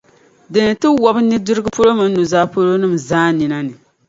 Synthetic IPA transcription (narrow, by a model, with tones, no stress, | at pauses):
dɨ˨nɨ˨tɨ˦wɔ˦bɨ˦nɨ˦dɨ˦ɾɨ˦ɡɨ˦po˦lo˦mɨ˦n˦nu˨zaː˦po˦lo˦nɨ˦˨mzaː˦ni˨na˦nɨ˨